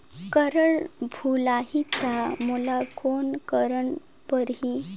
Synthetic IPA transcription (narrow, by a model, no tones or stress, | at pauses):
kəɾəɭbʱulaɦit̪amulakonkəɾəɳ | pəɾɦi